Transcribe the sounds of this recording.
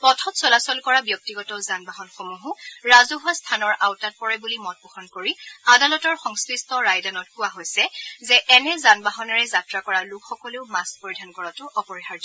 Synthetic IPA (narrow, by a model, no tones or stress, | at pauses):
pɔtʰɔtsɔlasɔlkɔɹabjɔk̚tiɡɔtɔzanbaɦɔnxomuɦuɹazʊɦastʰanɔɹʔawtat̚pɔɹɛbulimɔt̚bɔxɔnkoɹiadalɔtɔɹxɔŋskɹistɔɹajdanɔt̚kʊaɦojsɛzɛʔɛnɛzanbaɦɔnɔɹɛzatɹakɔɹalʊkʰxɔkɔleʊmaspoɹidʱankɔɹatʊʔɔpɔɹixaɹd